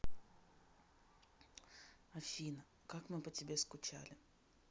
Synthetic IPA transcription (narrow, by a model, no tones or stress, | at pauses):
ɐfʲinə | kakmɨpətʲɪbʲeskʊt͡ɕa̰lʲɪ